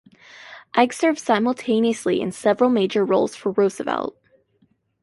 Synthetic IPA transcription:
ʔæɡsɜ˞v̥saɪ̃ml̩ˠtʰẽɪ̃niɨsliɨ̰̃nsɛvɹl̩ˠmeɪd͡ʒə˞ɹoʊlˠz̥fə˞ɹoʊzɨvɛ̰lˠt̚

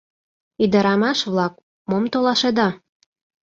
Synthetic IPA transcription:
yd̪ɑɾɑmɑʃβlɑk | momt̪olɑʃed̪ɑ

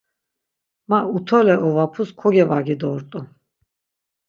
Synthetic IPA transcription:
maut̪ʰɔlɛʔɔvapʰuskʰɔɡɛvaɡid̪ɔɾt̪ʼu

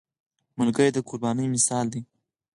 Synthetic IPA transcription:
mʊlɡəjd̪əkʰʊɾbɑnəjmɪsɑld̪i

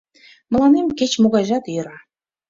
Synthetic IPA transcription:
mə̆lɑnemket͡ɕmoɣɑjʒɑt̪jɤ̆ɾɑ

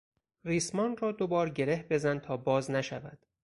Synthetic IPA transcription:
riːsmɒːnrɒːd̪o̞bɒːɾɟe̞ɾe̞hbe̞zænt̪ʰɒːbɒːznæʃæ̰væd̪̥

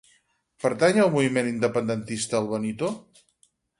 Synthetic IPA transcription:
pəɾt̪aɲəlˠmuβimenind̪əpənd̪ənt̪ist̪əːlˠβənit̪o

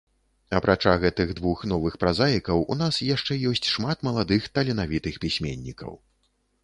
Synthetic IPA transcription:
ɐpɾʔat͡ʂaɣɛt̪ɨɣd̪vuxn̪ɔvɨxpɾazajikɐwun̪asjaʂt͡ʂɛjɔsʲt͡sʲʂmat̪mɐlˠad̪ɨxt̪ɐlʲinavʲit̪ɨxpʲisʲmʲḛnʲːikɐ̰w

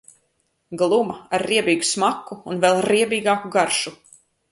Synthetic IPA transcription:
ɡlˠumɐaɾːiɛbiːɡusmakːuːnvɛlˠɾiɛbiːɡaːkuɡaɾʃu

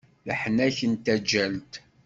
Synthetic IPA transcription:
ləħnæçənt̪æd͡ʒːælt̪

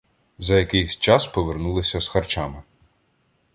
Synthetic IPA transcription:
zɐjɐkɪjsʲt͡ʃɑspɔʋernulˠɪsʲɐz̥xɐrt͡ʃamɪ

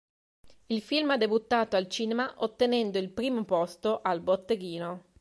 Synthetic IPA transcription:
ilfilmad̪ːebut̪ːaːt̪oalt͡ʃiːnemaʔot̪ːenɛnd̪oilpɾiːmopɔst̪oʔalbot̪ːeɡiːno

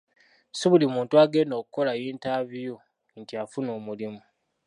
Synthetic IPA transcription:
siβulimuːntuaɡe̞ːndo̞ːkuko̞lajiːntaβijo | ntiafunoːmulimu

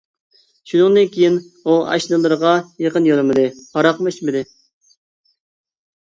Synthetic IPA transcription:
ʃunɨŋd̪ɨnkʲʰijin | uɑ̰ʃlˠɨlˠːɨɾəʁɑjeqənjolˠɨmɨd̪ɨpɑɾɑqmɨit͡ʃmɪd̪ɪ

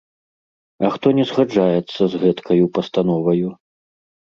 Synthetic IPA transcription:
ɐxt̪ɔnʲɛzɣad͡ʐajɛt̪sːɐzɣɛt̪kʰɐjupɐst̪an̪ɔvɐju

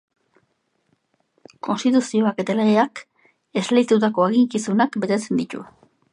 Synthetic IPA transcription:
kʰo̞nst̪it̪usio̞ake̞t̪aleeak | e̞zleit̪ut̪ako̞eɣiŋkisunakbe̞t̪e̞t͡se̞nd̪it̪ṵ

